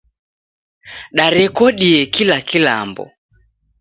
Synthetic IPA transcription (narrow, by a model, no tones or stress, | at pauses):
ɗaɾɛkɔɗiɛkilakila̰mbɔ̰